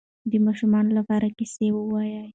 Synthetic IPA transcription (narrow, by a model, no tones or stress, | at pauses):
d̪əmɑʃumɑnolapɑɾakisewəwɑjəj